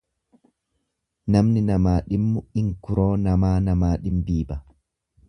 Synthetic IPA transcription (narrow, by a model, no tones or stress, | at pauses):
nɐmnɪnɐmaːɗɪmːʊɪŋkʊɾoːnɐmaːnɐmaːɗɪmbiːbɐ